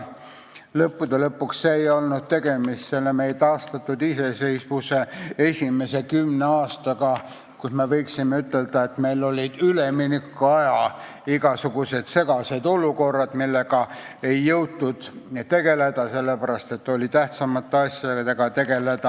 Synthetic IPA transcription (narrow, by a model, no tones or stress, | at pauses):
lɤpːud̪̥elɤpːuksːeːjo̞lnud̪̥̚t̪e̞ɡ̥e̞mist̪selːemejet̪ɑːst̪ɑt̪ːˑud̪ise̞sejsvusee̞sʲime̞se̞kymneɑːst̪ɑɡɑ | kusme̞vɤjksimːeyt̪ːˑe̞ld̪̥ɑe̞t̪me̞jlo̞lʲid̪̥yleminikːɑjɑ | iɡ̥ɑsuɡ̥use̞d̪̥se̞ɡɑse̞d̪o̞luko̞rːɑd̪̥milːeɡ̥ɑ | e̞jːɤwd̪ːˑud̪̥t̪e̞ɡ̥e̞le̞d̪̥ɑse̞lːepæɾɑst̪e̞t̪ːˑo̞lʲit̪æht̪sɑmɑt̪ːˑeɑsʲjɑd̪et̪e̞ɡ̥ɑt̪e̞ɡ̥e̞le̞d̪̥ɑ